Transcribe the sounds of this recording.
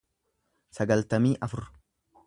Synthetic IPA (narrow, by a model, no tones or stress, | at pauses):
sɐɡɐlt̪ɐmiːʔɐfʊɾ